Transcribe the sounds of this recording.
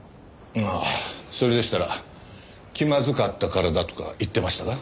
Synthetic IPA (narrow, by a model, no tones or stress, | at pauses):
aso̞ɾe̞d̪e̞ɕi̥t̪aɾa̰ | kʲimazɨkat̪ːakaɾad̪at̪o̞̥ka̰it̪ːe̞maɕi̥t̪aɡa